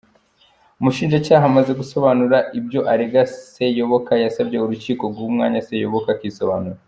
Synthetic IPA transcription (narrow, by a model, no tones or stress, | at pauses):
umuʃiːnʒacaːɦamaze̞ɡuso̞βanuɾaibjo̞ʔaɾeɡase̞jo̞βo̞kajasabɟe̞uɾuciːko̞bɡumŋa̰ːɲase̞jo̞βo̞kakiso̞βa̰nuɾa